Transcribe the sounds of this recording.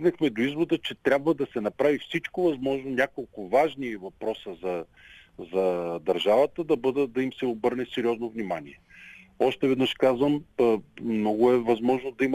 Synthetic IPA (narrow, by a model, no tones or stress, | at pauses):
ɡnɐxmɛd̪oizvod̪ət͡ʃɛt̪ɾʲabvəd̪ɐsɛnɐpɾavifsit͡ʃkovɐzmɔʒnonʲakolˠkʊvaʒnivɐpɾɔsəzɐ | zɐd̪ɐɾʒavət̪əd̪ɐbɤd̪əd̪ɐimsɛobɤɾnɛsɛɾiɔznovnimaniɛ | ɔʃt̪ɛvɛd̪nəʃkazvɐm | mːnɔɡʊɛvɐzmɔʒnod̪ɐim